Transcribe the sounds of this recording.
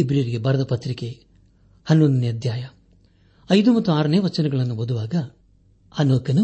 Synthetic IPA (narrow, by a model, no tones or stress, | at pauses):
ibɾijɾiɡebʱɐɾɐd̪ɐpɐt̪ɾike | hɐnonɐnjɐd̪jaːjɐ | ɐjd̪umɐt̪ːuaːɾɐneːʋɐt͡ʃːɐnɛɡɐɭɐnːubɐd̪uʋaːɡɐ | hɐnukːɐnu